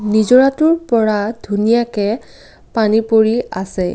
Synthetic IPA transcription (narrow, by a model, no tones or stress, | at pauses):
nizɔɹatʊɹpɔɹadʱunijakɛ | panipoɹiasɛ